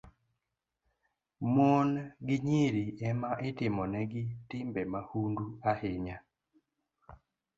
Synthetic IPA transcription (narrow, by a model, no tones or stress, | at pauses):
monɡɪɲiɾiɛmaʔɪtɪmɔnɛɡɪtɪmbɛmahunduahɪɲa